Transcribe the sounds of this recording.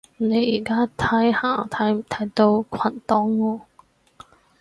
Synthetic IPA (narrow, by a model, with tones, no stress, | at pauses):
ne˨˧jiː˨˩kaː˥t̪ʰɐ˧˥jhaː˨˩t̪ʰɐ˧˥jm˨˩t̪ʰɐ˨˩jt̪o˧wkʰɐ˨˩nt̪ɔː˧˥ŋwɔː˧